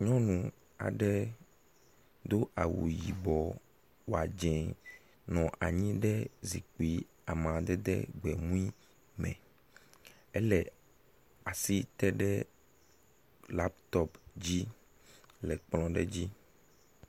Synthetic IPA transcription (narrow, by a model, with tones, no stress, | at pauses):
ɲɔ̃˦nũ˨ | a̰˨ɖɛ˦ | d̪o˦ʔa˨wṵ˨ji˨bɔ˨ | wo˨a˨d͡ʒɛ̃˨ | nɔ̃˨ʔa˨ɲĩ˦ɖɛ˦zi˨k͡pi˦ | a˨mã˨d̪ɛ˦d̪ɛ̰˦ɡ͡bɛ˨mũ˦i˦ | mɛ̰̃˨ | ɛ˦lɛ˨ | a˨si˦t̪ɛ˦ɖɛ˦ | la˦pt̪ɔ˦pd͡ʑi˦ | lɛ˨k͡plɔ̃˦ɖɛ˦d͡ʑi˦